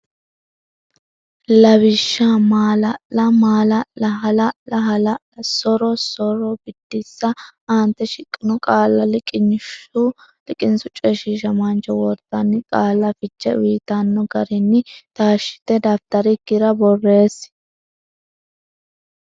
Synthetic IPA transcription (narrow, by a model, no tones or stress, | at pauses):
lɐβɪʃːamaːlɐʔlɐmaːlɐlɐɦɐlɐɐɦɐlɐɐsɔɾɔsɔɾɔbɪd̪̥ːɪsːɐʔant̪ːɛʃɪkʼːɪnɔkʼaːlːɐlɪkʼɪnʊ | lɪkʼɪnsʊt͡ʃʼɛʃiʃɐmɐnt͡ʃɛwɔɾd̪ɐnːɪkʼaːlːɐfɪt͡ʃːɛ̰wiːt̪ɐnːɔɡɐɾɪnːɪt̪aːʃːɪ̥t̪ɛd̪ɐft̪ɐɾɪkːɪɾɐbɔrːe̞ːs